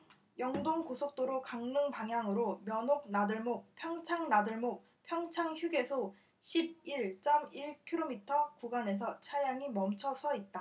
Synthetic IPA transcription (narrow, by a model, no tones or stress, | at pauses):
jʌŋdoŋkosʰok̚t͈oɾokaŋnɯŋpaŋɦjaŋɯɾomjʌnok̚nadɯɭmopʰjʌŋt͡ɕʰaŋnadɯɭmok̚ | pʰjʌŋt͡ɕʰaŋçjuɡe̞sʰo | ɕʰib̚iɭt͡ɕ͈ʌmiɭkʰiɾomitʰʌkuɡane̞s̬ʰʌt͡ɕʰaɾjaŋimʌmt͡ɕʰʌsʰʌit̚t͈a